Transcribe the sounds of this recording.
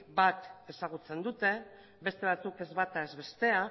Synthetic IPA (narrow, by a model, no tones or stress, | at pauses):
bat̪e̞saɣ̞ut͡se̞nd̪ut̪e̞ | be̞st̪e̞β̞at͡suke̞zβat̪ae̞zβe̞st̪e̞a